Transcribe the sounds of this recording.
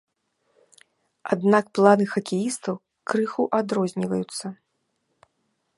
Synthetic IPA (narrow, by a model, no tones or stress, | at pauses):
a̰d̪nakplˠanɨxɐkʲejist̪ɐw | kɾɨxuʔad̪ɾɔzʲnʲivɐjut̪sːɐ